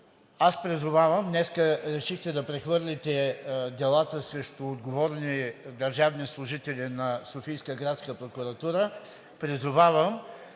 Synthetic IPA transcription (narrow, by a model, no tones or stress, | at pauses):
aspɾizʊvavəmnɛskəɾɛʃixt̪ɛd̪ɐpɾɛxvɤɾlʲit̪ɛd̪ɛlˠat̪əsɾɛʃt̪ʊːd̪ɡovɔɾnid̪ɐɾʒavnislˠʊʒit̪ɛlʲinɐsofijskəɡɾat̪skəpɾokʊɾɐt̪uɾə | pɾizʊvavəm